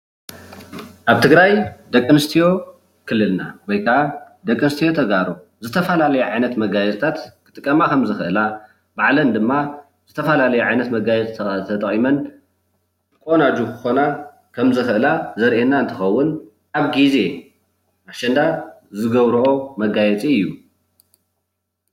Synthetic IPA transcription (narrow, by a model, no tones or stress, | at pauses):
ʔaβt̪ʰɨɡɾajd̪ɐkʼːɨnɨst̪ʰijo̞ | kʰɨlːɨlnawɔjkʰaʔa | d̪ɐkʼːɨnɨst̪ʰijo̞t̪ʰɐɡaɾu | zɨt̪ʰɐfɐlalɐjuʕajnɐt̪mɐɡajɛzt̪ʰat̪kʰɨt̪ʼɨkʼːɐmakʰɐmzɨxɨʔɨla | baʕlɐnd̪ɨmːa | zɨt̪ʰɐfɐlalɐjuʕajnɐt̪mɐɡajɛt͡sʼʰt̪ʰɐt̪ʼɐχʼimɐn | kʼo̞nad͡ʒukʰɨ̥xo̞na | kʰɐmzɨxɨʔɨlazɐɾʔenaɨnt̪ʰɨxɐwːʊn | aβɡize̞ | ʔaʃɐnd̪azɨɡɐβɾʔo̞mɐɡajɛt͡sʼiɨjːu